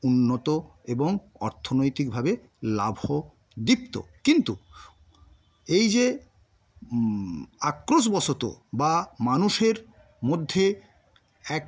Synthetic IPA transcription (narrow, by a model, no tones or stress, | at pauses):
unːot̪oeboŋ | ɔɾt̪ʰonojt̪ik̚bʱabe | labʱo | d̪ipt̪o̰kint̪u | ejd͡ʑe | akːɾos̬bɔsʰot̪o̰bamanuʃeɾ | mod̪ʱːe | ɛk